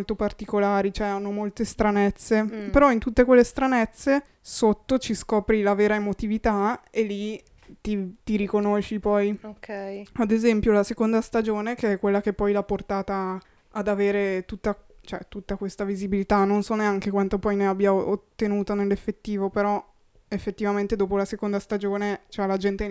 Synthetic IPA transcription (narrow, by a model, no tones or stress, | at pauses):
olt̪opart̪ikolaːɾit͡ʃoɛanːomolt̪est̪ɾanɛt̪sːepeɾɔint̪ut̪ːekwelːest̪ɾanɛt̪sːe | sot̪ːot͡ʃiskɔːpɾilaveːɾaemot̪ivit̪aelːi | t̪it̪iɾikonoʃːipɔjokʰɛjad̪ezɛmpjolasekond̪ast̪ad͡ʒoːnekeɛkːwelːakepːɔjlapːort̪aːt̪aː | d̪aveːɾet̪ut̪ːat͡ʃoɛ̰t̪ut̪ːakwest̪avizibilit̪anːonsɔneaŋkekwant̪opɔjneabːjaoʔot̪ːenuːt̪onelːefːet̪ːiːvopeɾɔ | efːet̪ːivament̪ed̪oːpolasekond̪ast̪ad͡ʒoːnet͡ʃoɛlad͡ʒɛnt̪e